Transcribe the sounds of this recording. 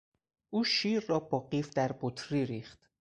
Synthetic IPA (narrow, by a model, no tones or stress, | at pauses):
ʔuːʃiːɾːɒːbɒːɢiːfd̪æɾbot̪ʰɾiːɾiːχt̪